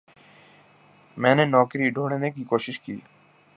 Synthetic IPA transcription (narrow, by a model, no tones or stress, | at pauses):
mɛ̃ːnẽːnɔːkɾiːɖʱoːɳeːneːkiːkoːʃɪʃkiː